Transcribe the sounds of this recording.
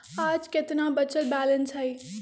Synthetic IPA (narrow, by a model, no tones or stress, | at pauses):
aːd͡ʒkɪt̪nãbət͡ʃəlbɛːlənsɦai